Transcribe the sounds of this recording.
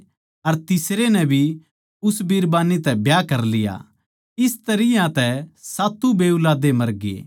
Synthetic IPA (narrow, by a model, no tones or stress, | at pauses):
ɐɾt̪ɪsɾenɛ̃bʱi | ʊsbiːɾbaːnit̪ɛbjaːkɐɾlɪja̰ | ɪst̪ɐɾɪjãt̪ɛsaːt̪ubeːulaːd̪emɐɾɡḛː